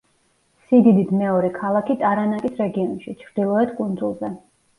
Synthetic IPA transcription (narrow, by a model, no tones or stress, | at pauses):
siɡ̪id̪it̪ʰmɛɔɾɛkʰalˠakʰit̪ʼaɾanakʼisɾɛɡiɔnʃit͡ʃʰɾd̪̥ilˠɔɛt̪ʰkʼund̪zulˠzɛ